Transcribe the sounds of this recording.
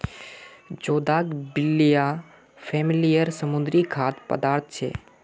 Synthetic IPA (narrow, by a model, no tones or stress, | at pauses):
d͡ʒoːd̪aːkbɪlːija | pʰɛːmɪlijəɾsəmʊ̃nd̪ɾikʰaːt̪pə̰d̪aːɾt̪̚ʰt͡ʃʰḛː